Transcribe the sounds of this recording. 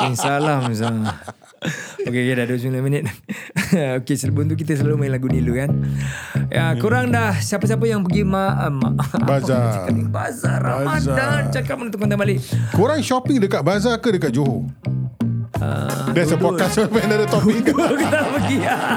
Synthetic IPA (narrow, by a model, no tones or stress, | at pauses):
insalamsa | okekdahduəs̬milamənət̪̚ | okesələbʊnt̪uk̬it̪əs̬əlalumailaɡunilukan | akuɾaŋdahsiapas̬ap̬əjaŋpəɡimama̰bazasiaibazaɾamadat͡ʃakap̚ənũnt̪ukɔnt̪abalɪʔkuɾaŋʃɔpɪŋdəkat̚bazakədəkaʔ̚d͡ʒoɦo | ə̰dasəpɔkasapəandadət̪ɔpikt̪ukət̪apəɡia